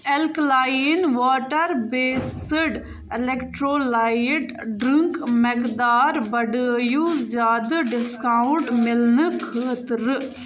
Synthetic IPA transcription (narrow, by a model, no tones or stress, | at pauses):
ɛlklaːiɪnʋaːʈəɾbeːsəɖ | ɪlekʈɾoːlaːjɪʈ | ɖɾɪŋkmekd̪aːɾbɐɖəjuːzjaːd̪əɖɪskaːʊɳʈmɪlnəkʰəːt̪ɾ